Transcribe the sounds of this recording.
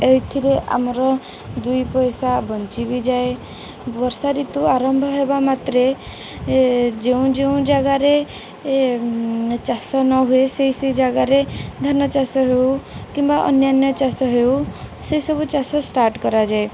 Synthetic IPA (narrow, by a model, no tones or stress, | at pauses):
ejt̪ʰiɾeʔa̰mɾɔ | d̪ujpɔjsabɔnt͡ʃibid͡ʒae | bɔɾsaɾit̪uaɾɔmbʱɔɦebamat̪ɾe | d͡ʒeũd͡ʒeũd͡ʒaɡaɾe | t͡ʃasɔnɔɦueseisejd͡ʒaɡaɾed̪ʱɔnɔt͡ʃasɔɦewkimbaʔɔ̰njanjɔt͡ʃasɔɦewsejsɔbut͡ʃasɔsʈaɾʈkɔɾad͡ʒae